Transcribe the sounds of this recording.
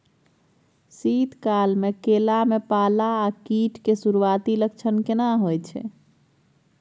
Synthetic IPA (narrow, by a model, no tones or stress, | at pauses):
sit̪kalmekelamepalaːkiʈkesuɾuwat̪iləkt͡ʃʰənkenaɦojt͡ʃʰɛ̰